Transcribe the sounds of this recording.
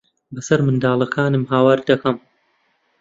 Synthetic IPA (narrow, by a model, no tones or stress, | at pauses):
bɐsɐɾmɨnd̪aːlˠɐkʰaːnɨmɦaːwaːɾd̪ɐkɐm